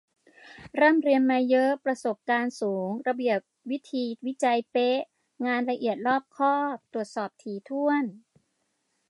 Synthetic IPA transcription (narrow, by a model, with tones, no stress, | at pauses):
ɾɤː˥˩mɾi˧ənma˧jːɤ˦˥ʔpɾa˧so˨˩p̚kaː˧nsuː˩˦ŋɾa˧bi˨˩əp̚wi˦˥t̪ʰiː˧wi˦˥t͡ɕa˧jpe˦˥ʔ | ŋaː˧nɾa˧ʔi˨˩ət̪̚lɔː˥˩p̚kʰɔː˥˩t̪ɾu˨˩ət̪̚sɔː˨˩p̚t̪ʰiː˨˩˦t̪ʰu˥˩ən